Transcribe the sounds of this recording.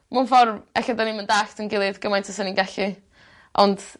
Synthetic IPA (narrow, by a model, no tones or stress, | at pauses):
manfɔrvɛɬɔdaniməndaɬtʰənɡɪlˠɨðɡəmajntʰəsəninɡaɬi | ʔɔnd̥